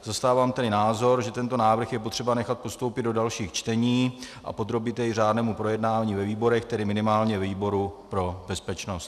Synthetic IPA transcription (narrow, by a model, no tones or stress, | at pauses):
zast̪aːvaːmt̪ɛdɪnaːzo̞ɾʒɛt̪ɛnt̪o̞naːvr̩xjɛpo̞t̪r̝̥ɛbanɛxat̪̚po̞st̪owpɪd̪do̞dalʃiːxt͡ʃt̪ɛɲiːʔa̰po̞d̪ɾo̞bɪt̪jɛɪr̝aːdnɛːmupɾo̞jɛdnaːvaɲiːvɛviːbo̞ɾɛxt̪ɛdɪmɪnɪmaːlɲɛvɛviːbo̞ɾupɾo̞bɛspɛt͡ʃno̞st̪